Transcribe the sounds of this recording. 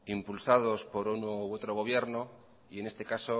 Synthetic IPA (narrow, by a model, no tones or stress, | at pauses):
impulsað̞o̞spo̞ɾunuwot̪ɾo̞ɣ̞o̞β̞je̞ɾno | ie̞ne̞st̪e̞kaso̞